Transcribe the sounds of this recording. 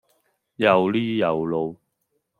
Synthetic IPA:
jɐ˨˩wliː˥˩jɐ˨˩wlo˨˧w

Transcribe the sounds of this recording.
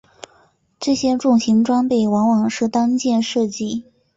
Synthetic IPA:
ʈ͡ʂɤ˥˩ɕjɛ˥ʈ͡ʂʊ˥˩ŋɕi˧˥nʈ͡ʂwa˥npe˥˩ɪwɑ˧˥ŋwɑ˨˩ŋʂɻ̩˥˩t̪ɑ˥ŋt͡ɕjɛ˥˧nʂɤ˥˧t͡ɕi˥˩

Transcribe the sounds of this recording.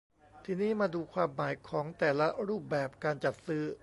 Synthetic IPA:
t̪ʰiː˧niː˦˥˩maː˧duː˧kʰwaː˧mːaː˩˦jkʰɔː˩˦ŋt̪ɛː˨˩la˦˥ɾuː˥˩p̚bɛː˨˩p̚kaː˧nt͡ɕa˨˩t̪̚sɯː˦˥

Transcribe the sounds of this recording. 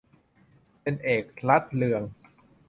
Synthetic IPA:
pe˧nʔeː˨˩k̚la˦˥t̪̚lɯ˧əŋ

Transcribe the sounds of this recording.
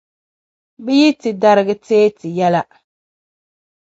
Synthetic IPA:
bɛ˦ji˦tɨ˨da˦ɾɨ˦ɡɨ˦teː˦tɨ˨jɛ˦la˦

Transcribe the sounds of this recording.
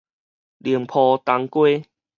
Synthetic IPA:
li˨˩əmpʰɔ˧t̪a˧ŋkwe˦

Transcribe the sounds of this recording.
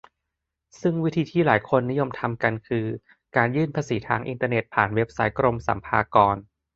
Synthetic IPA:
sɯ˥˩ŋwi˦˥t̪ʰiː˧t̪ʰiː˥˩laː˩˦jkʰo˧nːi˦˥jo˧mt̪ʰa˧mka˧nkʰɯː˧ | kaː˧njɯː˥˩npʰaː˧siː˩˦t̪ʰaː˧ŋʔḭ˧nt̪aː˧ne˨˩t̪̚pʰaː˨˩nwe˦˥p̚sa˦˥jkɾo˧msa̰˩˦mpʰaː˧kɔː˧n

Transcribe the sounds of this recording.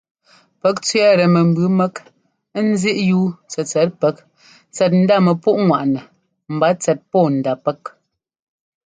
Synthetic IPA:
pɛ˦k̚t͡sɥɛ˦ɾɛ˨mɛ˨m̩˨bʉ˦mɛ˦k | n̩˦zi˦ʔjuː˦t͡sɛ˨t͡sɛ˨˦t̚pɛ˨˦k | t͡sɛ˨t̬̚n̩˦da˦˨mɛ˨pu˦ʔŋwa˨ʔnɛ˨ | m̩˨ba˨˦t͡sɛ˨t̚pɔː˦˨n̩˨da˨pɛ˦k̚

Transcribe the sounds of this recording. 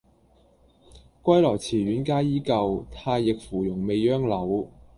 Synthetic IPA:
kʷɐ˥jlɔː˨˩jt͡sʰiː˨˩ɥyː˨˥nkaː˥jiː˥kɐ˧wt̪ʰaː˧jːɪ˨k̚fuː˨˩jʊ˨˩ŋme˨˧jːœː˥ŋlɐ˨˥w

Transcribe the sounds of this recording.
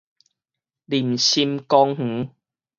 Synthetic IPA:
li˨˩mɕi˧mkɔ˧ŋh̩˨˦

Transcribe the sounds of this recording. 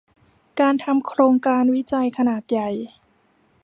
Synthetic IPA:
kaː˧nt̪ʰa˧mkʰɾoː˧ŋkaː˧nwi˦˥t͡ɕa˧jkʰa˧naː˨˩t̪̚ja˨˩j

